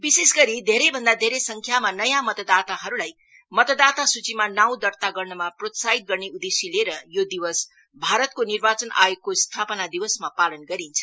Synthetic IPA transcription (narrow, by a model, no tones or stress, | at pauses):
bisesɡʌɾid̪ʱeɾejbʱʌnd̪ad̪ʱeɾejsʌŋkʰjamanʌjãmʌt̪ʌd̪at̪aɦʌɾulaj | mʌt̪ʌd̪at̪asut͡simanaw̃d̪ʌrt̪aɡʌrnʌmaprot̪saɦit̪̚ɡʌrneud̪esileɾʌjod̪iwʌs | bʱaɾʌt̪̚konirbat͡sʌnʔa̰ekːost̪ʰapʌnad̪iwʌsmapalʌnɡʌɾint͡sʰʌ̥